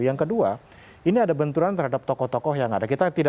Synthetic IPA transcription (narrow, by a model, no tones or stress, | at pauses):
jaŋkədua | iniadabənt̪uɾant̪əɾrɦadap̚t̪ɔkɔht̪ɔkɔhjaŋadakit̪at̪ida